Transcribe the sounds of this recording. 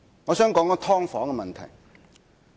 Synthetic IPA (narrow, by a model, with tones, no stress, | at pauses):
ŋɔː˨˧sœː˨˥ŋkɔː˨˥ŋɔ˧˥t̪ʰɔː˥ŋfɔː˨˥ŋkɛ˧mɐ˨nt̪ʰɐ̰˨˩j